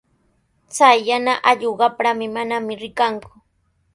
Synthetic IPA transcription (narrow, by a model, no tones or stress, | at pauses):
t͡sajːanaʔaʎoɢɑpɾamɪmanamɪɾɪkaŋkʊ̥